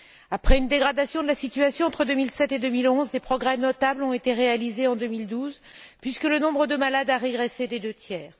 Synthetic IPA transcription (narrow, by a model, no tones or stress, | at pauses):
apχɛynd̪eɡʁad̪asjɔ̃d̪əlasit̪yasjɔ̃ɑ̃t̪χəd̪ømilsɛt̪ed̪ømilɔ̃zd̪epχɔɡʁɛnɔt̪ablɔ̃et̪eʁealizeɑ̃d̪ømild̪uz | pɥiskələnɔ̃bʁəd̪əmalad̪aʁeɡʁesed̪ed̪øt̪jɛːʁ